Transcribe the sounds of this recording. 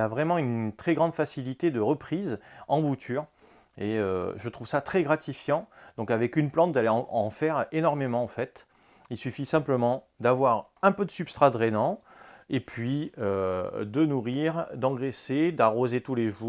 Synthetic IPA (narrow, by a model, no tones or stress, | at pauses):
avʁɛmɑ̃ynt̪χɛɡʁɑ̃d̪fasilit̪ed̪əʁəpχizɑ̃but̪ʰyʁ | eøʒət̪χuvsat̪χɛɡʁat̪ifjɑ̃d̪̥ɔ̃kavɛkynplɑ̃t̪̚d̪aleɑ̃ɑ̃fɛʁenɔʁmemɑ̃ɑ̃fɛt̪ | ilsyfisɛ̃pləmɑ̃ | d̪avwaʁɛ̃pød̪əsypst̪χad̪ʁɛnɑ̃ | epʰɥiød̪ənuʁiʁd̪ɑ̃ɡʁesed̪aʁozet̪uleʒu